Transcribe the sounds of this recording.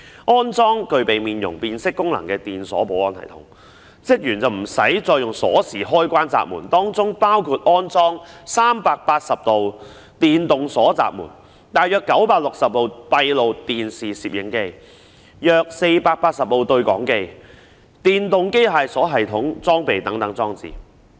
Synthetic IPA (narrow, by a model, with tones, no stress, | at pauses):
ʔɔː˥nt͡sɔː˥ŋkɵ˧ɥpe˨jmiː˨njʊ̰˨˩ŋpiː˧nsɪ˥kːʊ˥ŋlɐ̰˨˩ŋkɛː˧t̪iː˨nsɔ̰ː˨˥po˨˥wɔː˧nt̪ʰɐ̰˨˩jt̪ʰʊ̰˨˥ŋ | t͡sɪ˥k̚jyː˨˩nt͡sɐ˨wm̩˨˩sɐ̰˨˥jt͡sɔː˧jʊ˨ŋsɔ̰ː˨˥siː˨˩ɦɔː˥jkʷaː˥nt͡sa̰ː˨p̚muː˨˩nt̪ɔː˥ŋt͡sʊ˥ŋpaː˥wkʰuː˧t̚ʔɔː˥nt͡sɔː˥ŋsaː˥mpaː˧k̚paː˧t̚sɐ˨p̚t̪o˨w | t̪iː˨nt̪ʊ˨ŋsɔː˨˥t͡sa̰ː˨p̚mṵː˨˩n | t̪aː˨˩jœː˧kːɐ˨˥wpaː˧k̚lʊ˨k̚sɐ˨p̚lo˨wpɐ˧jlo˨wt̪iː˨nsiː˨siː˨p̚jɪ˨˥ŋke˧j | jœː˧k̚se˧jpaː˧k̚paː˧t̚sɐ˨p̚lo˨wt̪ɵ˧ɥkɔ̰ː˨˥ŋke˧j | t̪iː˨nt̪ʊ˨ŋke˥jɦaː˨jsɔː˨˥ɦɐ˨jt̪ʰʊ˨˥ŋt͡sɔː˥ŋpe˨jt̪ɐ˨˥ŋt̪ɐ˨˥ŋt͡sɔː˥ŋt͡sḭː˨˩